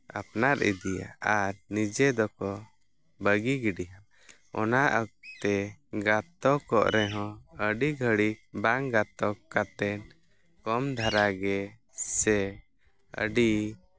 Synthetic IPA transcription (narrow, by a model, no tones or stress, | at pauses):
a̰pnaɾʔḭd̪ija̰aɾnid͡ʒɛd̪ɔkɔ | bəɡiɡiɖiɦa | ɔ̰naʔək̚t̪ɛɡat̪ɔkɔʔɾɛɦɔ̃əɖiɡʱəɽik̚baŋɡat̪ɔkːat̪ɛn | kɔmd̪ʱaɾaɡɛ | sɛ | ə̰ɖi